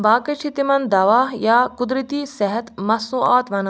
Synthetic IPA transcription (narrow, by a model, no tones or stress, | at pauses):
baːkɐt͡ʃʰit̪imɐnd̪ɐʋaːɦjaːkud̪ɾit̪iːsɐɦɐt̪mɐsũʔaːt̪ʋɐnɐ